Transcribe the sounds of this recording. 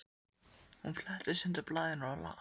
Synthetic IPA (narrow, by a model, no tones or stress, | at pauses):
hunflɛht̪ɪsʏnt̪aplaːðɪnaɾala̰